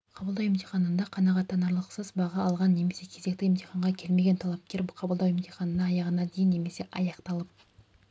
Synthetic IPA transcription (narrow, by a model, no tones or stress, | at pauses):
qʰɑbəlˠd̪ɑwemt̪ʰeχɑnənd̪ɑqʰɑnɑʁɑt̪ːɑnɑɾlˠəqsəzbɑʁɑːlˠʁɑnːe̞me̞se̞kʲʰe̞ze̞kt̪ɪɪmt̪eχɑɴʁɑkʲʰe̞lme̞ɡʲent̪ʰɑlˠɑp̚kʲe̞ɾqʰɑbəlˠd̪ɑwemt̪ʰeχɑnənɑːjɑʁənɑd̪ejɪnːe̞me̞se̞ʔɑjɑqt̪ɑlˠəp̚